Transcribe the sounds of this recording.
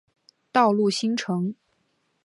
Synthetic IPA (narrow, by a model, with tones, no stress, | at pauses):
t̪ɑ˥˧ʊlu˥˩ɕi˥ŋʈ͡ʂʰɤ˧˥ŋ